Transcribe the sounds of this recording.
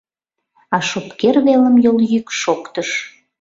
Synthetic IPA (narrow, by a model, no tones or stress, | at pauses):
ɑʃopkerβeləmjoljykʃokt̪əʃ